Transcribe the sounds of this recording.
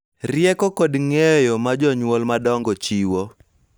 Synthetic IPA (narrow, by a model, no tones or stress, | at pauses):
rɪjɛkɔkodŋɛjɔmad͡ʒɔɲwɔlmadɔŋɡɔt͡ʃiwo